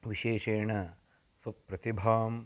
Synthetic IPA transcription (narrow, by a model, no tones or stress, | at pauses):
ʋiʃeːʃeːɳɐ | sɐpɾɐt̪ibʱaːm